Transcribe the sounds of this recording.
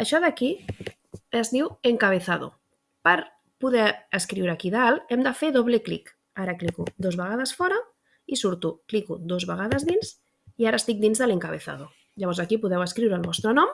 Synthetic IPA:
əʃɔðəki | əzniweŋkəβ̞eθaðṵ | pəɾ | puðɛəskɾiwɾakiðaalɛmd̪əfeðoβleklḭk | aɾəklikṵd̪ozβəɣ̞að̞əsfɔɾə | isuɾt̪uklikud̪ozβəɣ̞aðəzðinz | iaɾəːst̪ik̚d̪inzðələŋkaβ̞eθa̰ðu | ʎəβɔɾzəkipuðɛwəskɾiwɾəlˠβɔst̪ɾənɔm

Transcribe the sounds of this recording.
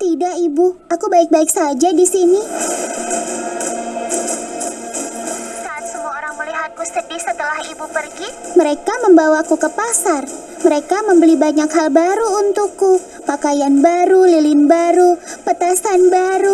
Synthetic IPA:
t̪idaʔibu | akubaɪk̚baɪksad͡ʒadisini | saːt̪̚səmuaoɾaŋməliɦat̪̚kusədɪhsət̪əlahibupərɡiməɾekaməmbawakukəpasar | məɾekaməmbəlibaɲakɦalbaɾuunt̪ukːu | pakajanbaɾulilɪnbaɾupət̪asanbaɾu

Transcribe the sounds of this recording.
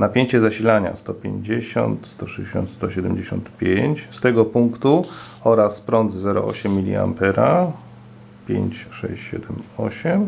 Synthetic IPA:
napʲjeɲt͡ɕɛzaɕilaɲa̰st̪ɔpʲjeɲd͡ʑeɕɔ̰nt̪st̪ɔʂɛd͡ʑeɕɔ̰̃nt̪st̪ɔɕɛd̪ɛmd͡ʑeɕɔnt̪pʲjeɲt͡ɕst̪ɛɡɔpuŋkt̪u | ɔɾaspɾɔnd̪zzɛɾɔ̰ʔɔɕɛmʲːilʲḭa̰mpɛɾa | pʲjḛɲt͡ɕʂɛ̰ɕt͡ɕɕɛ̰d̪ɛmɔɕɛm

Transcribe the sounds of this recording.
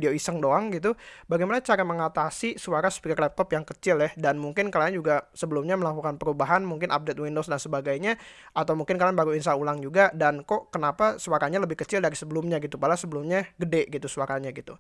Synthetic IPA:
deoisəŋdoaŋɡit̪̬ubaɡejmanat͡ʃaɾaməŋat̪asisuwaɾasə̥pikərlɛp̚t̪ɔpjaŋkət͡ʃɪljahdanmuŋkɪnkalaɲd͡ʒuɡasəbəlumɲaməlakukanpəɾubaɦanmuŋkɪnʔa̰p̚det̪̚windosdansəbaɡajɲa | at̪awmuŋkɪnkalanbaɾuinsaulaŋd͡ʒuɡadankɔʔkənapasuaɾaɲaləbɪhkət͡ʃɪldaɾisəbəlumɲaɡit̪ubalasəbəlumɲaɡədɛʔɡit̪usuaɾaɲaɡit̪ṵ

